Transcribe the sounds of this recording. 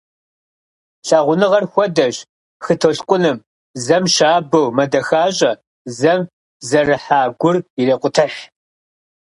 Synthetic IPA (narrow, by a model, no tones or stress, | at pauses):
ɬaːʁʷʊnɨʁɐrxʷɔdɐʑ | xɨtʰoɬkʷʼʊnɨm | zɐmʃaːbɐwmɐdɐxaːɕʼɐ | zɐm | zɐrɨħaːɡʷʊrireːqʷʊtʰɐʃ